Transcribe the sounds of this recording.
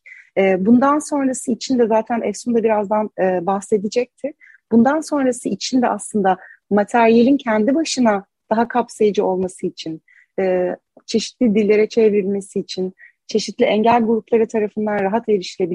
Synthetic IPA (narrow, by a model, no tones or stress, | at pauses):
ɛːbund̪anso̞nɾasɯit͡ʃʰind̪ɛzaːt̪ʰænɛfsumd̪abiɾazd̪anɯːbaxse̞d̪id͡ʒɛc̚t̪ʰɪ | b̥und̪anso̞nɾasɯit͡ʃʰind̪ɛʔaslˠɯnd̪amat̪ʰæɾije̞lʲincʰɛnd̪ibaʃɯna | d̪̥aɦakʰapsajad͡ʒɯo̞lˠmasɯit͡ʃʰin | ɛː | t͡ʃʰe̞ʃit̪lʲid̪ilʲːe̞ɾɛt͡ʃʰeviɾilʲme̞siːt͡ʃʰin | t͡ʃʰe̞ʃit̪lʲiɛɲɟælʲɡuɾuplˠaɾɯt̪ʰaɾafɯnd̪anɾaɦat̪eɾiʃlʲebi